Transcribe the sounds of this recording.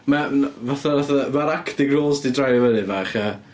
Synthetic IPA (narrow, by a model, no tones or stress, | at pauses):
mavaθavaθamaɾakʰtɪɡroːzdidrajɾɔvəðɨvaːχə